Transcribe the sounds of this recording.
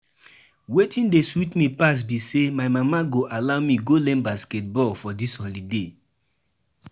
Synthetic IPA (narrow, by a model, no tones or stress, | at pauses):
wetʰĩndeswitmipas̬bisemaɪmamaɡoʔalaʊmiɡolɛ̃mbasket̚bɔlfɔdisɔ̃nlide